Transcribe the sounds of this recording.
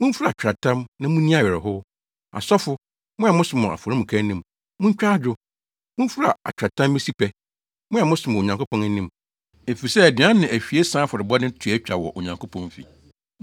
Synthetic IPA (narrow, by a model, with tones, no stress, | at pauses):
mʊ̃˦n̩˦fu˦ɾa˨t͡ɕᶣɾa˨tʰã˦mnã˦mũ˦nĩ˦a˦˨ɥɛ˨ɾɪ˨ɦʊ˦ | a̰˨sɔ˦fʊ˨ | mʊ̃˦a˨mʊ̃˦sɪ˨mʊ̃˨a̰˨fɔ˨ɾɪ̃˦mũ˨kʰã˦nĩ˦˨m | mʊ̃˦ɲ˦t͡ɕᶣa˦d͡ʑʊ˦ | mʊ̃˦m̩˦fu˦ɾa̰˨a̰˨t͡ɕᶣɾa˨tʰã˦mː˦e˦si˦pʰɛ˨ | mʊ̃˦a˨mʊ̃˦sɪ˨mʊ̃˨o˨ɲã˨ŋko˦pʰɔ̃˦nɛ˦nĩ˦m | e˨fi˨sɛ˦æ˨dɪ˨ã˦nːɪ̃˨ʔæ˨fᶣi˨e˦sã˦fʊ˨ɾɪ˨ba˦nɪ̃˦tʰu˨˦ɛ˦t͡ɕᶣa˨wɔ̰˨ʔo˨ɲã˨ŋkʰo˦pʰɔ̃˨n˦fḭ˨